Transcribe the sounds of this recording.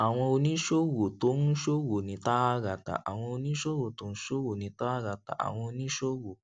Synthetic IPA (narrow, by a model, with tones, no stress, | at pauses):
a˨w̃ɔ̃˧o˧nĩ˦ʃo˦wo˨to˨˦n̩˦ʃo˦wo˨nĩ˨˦ta˦a˦ɾa˨ta̰˨ʔa̰˨w̃ɔ̃˧o˧nĩ˦ʃo˦wo˨to˨˦ñ̩˦ʃo˦wo˨nĩ˨˦ta˦a˦ɾa˨ta̰˨ʔa̰˨w̃ɔ̃˧o˧nĩ˦ʃo˦wo˨